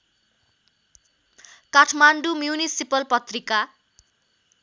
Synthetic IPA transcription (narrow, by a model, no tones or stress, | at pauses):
kaʈʰmaɳɖumjunisipʌlpʌt̪rika